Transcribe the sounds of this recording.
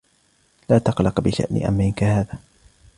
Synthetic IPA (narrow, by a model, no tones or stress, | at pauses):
laːt̪ɑqlɑqbɪʃa̰ʔnɪ̰ʔa̰mːɪnkahaːðaː